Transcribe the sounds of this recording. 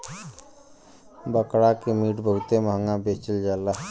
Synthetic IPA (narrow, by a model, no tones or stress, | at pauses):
bəkɽakemiʈbʱəɦut̪eməɦəŋɡãbet͡ʃəld͡ʒala